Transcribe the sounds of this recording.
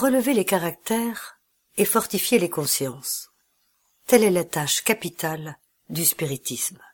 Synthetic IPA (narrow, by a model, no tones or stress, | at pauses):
ʁələvelekaʁak̚t̪ɛːʁ | efɔʁt̪ifjelekɔ̃sjɑ̃s | t̪ɛlɛlat̪aʃkapit̪al | d̪yspiʁit̪ism